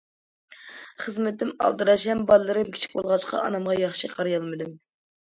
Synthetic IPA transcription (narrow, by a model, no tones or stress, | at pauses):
χəzmɪt̪ːɪmɑ̰lˠd̪ɨɾɑʃhɛmbɑlˠɨlːˠɨɾɨmkʲʰi̥t͡ʃʰi̥k̚ʲbo̰lˠʁɑt͡ʃqʰɑ̰ɑ̰nɑmʁɑjɑχʃiqʰɑɾjɑlˠmɨd̪ɨm